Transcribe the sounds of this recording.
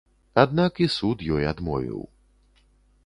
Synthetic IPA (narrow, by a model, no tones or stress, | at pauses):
ad̪nakisut̪jɔjad̪mɔ̰vʲḭw